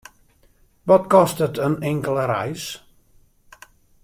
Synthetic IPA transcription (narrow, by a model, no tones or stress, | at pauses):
ʋɔtkɔstətənɪŋkəlˠəɾɛ̰js